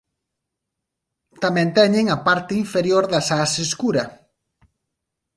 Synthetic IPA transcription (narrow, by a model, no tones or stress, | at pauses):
t̪amɛ̃nt̪ɛɲeŋapaɾt̪eiɱfeɾjoɾðɐsaseskuɾɐ